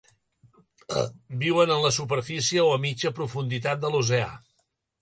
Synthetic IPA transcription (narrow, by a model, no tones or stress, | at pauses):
biwənənləsupəɾfisiəoəmid͡ʒəpɾufund̪it̪at̪̚d̪əlus̬ea̰